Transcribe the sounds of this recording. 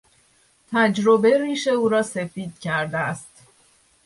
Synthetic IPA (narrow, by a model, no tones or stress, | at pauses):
t̪ʰæd͡ʒɾobe̞ɾiːʃe̞uːɾɒːse̞fiːd̪̥̚cʰæɾd̪æst̪